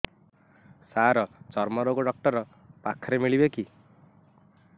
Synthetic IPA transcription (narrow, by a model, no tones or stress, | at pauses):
saɾɔt͡ʃɔɾmɔɾoɡoɖɔk̚ʈɔɾɔ | pakʰɔɾemiɭibeki